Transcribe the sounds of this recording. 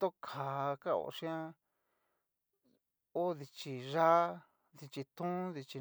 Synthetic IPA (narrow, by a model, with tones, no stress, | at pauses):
t̪o˦kʰa˨ka˦o̰˧˨˧ʂĩ˦ã˦ | o˦ði˧t͡ʃi˧ʐa˦ | ði˧t͡ʃi˧t̪ũ˦ði˧t͡ʃi˧